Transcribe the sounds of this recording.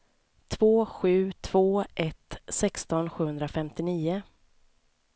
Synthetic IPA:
t̪ʰvoːɧʉ̟ːt̪ʰv̥oːʔɛt̪sɛkst̪ɔnɧʉ̟ːhɵnd̪ɾafɛmt̪ɪniːʊ

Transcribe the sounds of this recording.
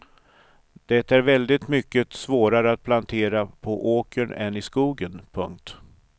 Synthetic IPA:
d̪̥ɛt̪æɾvɛld̪ɪt̪mʏkːəsvoːɾaɾəat̪̚pʰlant̪ʰeːɾapʰɔʔoːkəɳɛnɪskuːɡənpʰɵ̰ŋk̚t̪

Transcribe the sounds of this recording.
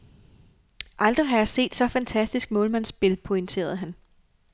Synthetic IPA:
ʔɑ̈ld̥ʁiɦɑjɑ̈se̝̰ːd̥sɒ̽fænt͡sʰæsd̥isɡ̥mɔ̽ːlmænsb̥e̝lpʰo̝eŋt͡sʰe̝̰ːɐð̞ˠɦæn

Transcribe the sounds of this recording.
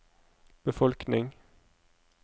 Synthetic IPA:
b̥əfɔlknɪŋ

